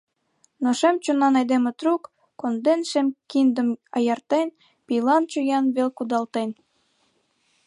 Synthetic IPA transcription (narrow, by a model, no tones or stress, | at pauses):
noʃemt͡ɕunɑnɑjd̪emĕt̪ɾukː | ond̪enʃemkind̪ə̆mɑjɑrt̪en | pilɑnt͡ɕujɑnβelkud̪ɑlt̪en